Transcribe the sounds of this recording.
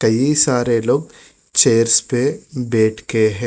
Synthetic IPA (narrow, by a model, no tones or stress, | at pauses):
kɐjisaːɾeːlob | t͡ʃeːɾspeːbeːʈkeːɦe